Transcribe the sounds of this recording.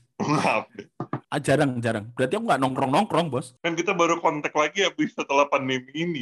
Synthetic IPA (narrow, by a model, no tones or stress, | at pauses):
ŋap̚ɛʔad͡ʒaɾaŋd͡ʒaɾaŋbəɾat̪iakuŋɡaʔnɔŋkɾɔŋnɔŋkɾɔŋbɔskankit̪abaɾukɔnt̪ɛk̚laɡijabisət̪əlahpandemiːni